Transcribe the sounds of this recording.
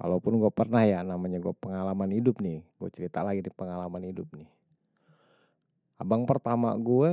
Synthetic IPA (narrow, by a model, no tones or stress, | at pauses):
ka̰lapʊnɡuapərnahjanamaɲaɡuapəŋalamanhidʊp̚nɪhɡ̥ua̰t͡ʃəɾit̪alaɡidipəŋalamanhidʊp̚nɪh | abaŋpərt̪ama̰ɡuɛ